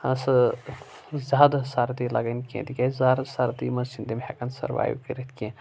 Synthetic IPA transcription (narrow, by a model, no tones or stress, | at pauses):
ɐsɨ | zaːd̪saɾt̪ilɐ̰ɡɐnkḛ̃t̪ikʲezaɾsaɾt̪imɐt͡ʃind̪imhɛ̰kɐnsɐ̰ɾʋa̰ːjwkiɾit̪ʰkʲẽ